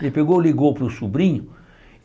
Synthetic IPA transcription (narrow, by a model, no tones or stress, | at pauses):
lɪpeɡowliɡowpɾʊsubɾĩɲʊ